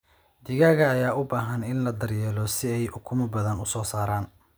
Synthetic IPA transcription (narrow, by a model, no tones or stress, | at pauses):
d̪ɪɣaːɣɐːjaːʔʊbaːɦɐnɪnlɐd̪ɐrjɛːlɔsɪɛjʔʊkʰʊmɐbɐðɐnʊsɔːsaːɾaːn